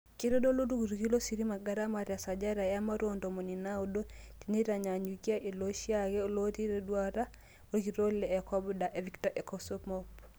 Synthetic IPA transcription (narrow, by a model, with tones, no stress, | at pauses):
ke˦ɾo˦do˦lo˦du˦ɡu˨ɾɣi˦lo˦si˨ɾi˦ma˨ɡa˦ɾa˦ma˨ɾja˨sa˨d͡ʒa˦ɾa˨ja˦ma˦ɾwondɔ˨mɔ˨ni˨na˦o˦dotine˦ɾa˨ɲa˨ɲukja˦ʔe˨lo˦ʃjaɣɛo˦loti˦ɾedwaɾa˦ | oɡi˨ɾo˦lɛː˨ka˦bda˨ʔɛ˨viktaʔɛ˨kɔsɔmɔp